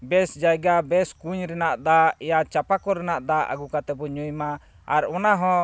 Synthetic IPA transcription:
bɛsd͡ʒajɡabɛskuɲɾɛnaʔd̪aɛjat͡ʃapakɔɾɛnaʔd̪aʔa̰ɡukat̪ɛbɔɲujma | aɾɔnaɦɔ̃

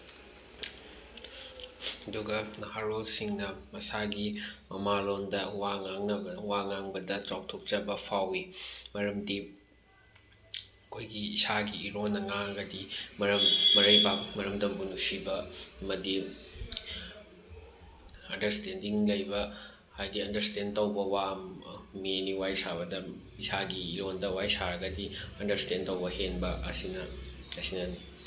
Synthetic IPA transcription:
ɐduɡɐnɐhaɾolsiŋnɐmɐsaɡimɐmalondɐwaŋaŋnɐbɐwaŋaŋbɐdɐt͡ʃaw̚tʰok̚t͡ʃɐbɐpʰawimɐɾɐmdi | ɐkʰojɡiisaɡiːɾonːɐŋaŋɡɐdimɐɾɐmːɐɾɐjbak̚mɐɾɐmdɐmunusibɐmɐdi | ɐndɐɾstendiŋlɐjbɐ | hajdiɐndɐɾstentɐwbɐwammeniwajsaβɐdɐ | isaɡiːɾondɐwajsaɾɐɡɐdiɐndɐɾstentɐwbɐhenbɐʔɐsinɐ | ɐsinɐni

